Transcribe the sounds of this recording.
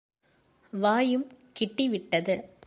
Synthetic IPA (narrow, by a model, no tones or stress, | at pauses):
ʋaːjɯmkɪʈːiʋɪʈːɐðɯ